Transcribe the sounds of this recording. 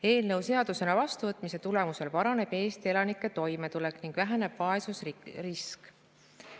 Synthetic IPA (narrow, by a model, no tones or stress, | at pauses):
e̞ːlnɤwse̞ɑd̪̥use̞nɑvɑst̪uvɤt̪ːˑmise̞t̪ule̞muse̞lpɑɾɑne̞b̥e̞ːst̪ie̞lɑnikːˑe̞t̪o̞jme̞t̪ule̞kːˑniŋɡ̥væɦæne̞b̥vɑe̞susrisk